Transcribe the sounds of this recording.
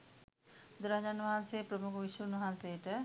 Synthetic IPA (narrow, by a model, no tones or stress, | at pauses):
d̪uɾaɦɐd͡ʑanʋɐɦansejpɾəmukəʋiʃəunʋɐɦansejʈə